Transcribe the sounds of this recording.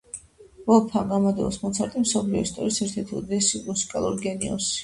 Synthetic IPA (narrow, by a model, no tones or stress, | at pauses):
vɔpʰaɡamad̪ɛ̰lɔsmɔt̪sʰaɾt̪ʼimsɔpʰliɔist̪ʼɔɾisɛɾt̪ʰɛɾt̪ʰilˠd̪ɛsimusi̥kʼalˠuɾɡɛniɔ̰s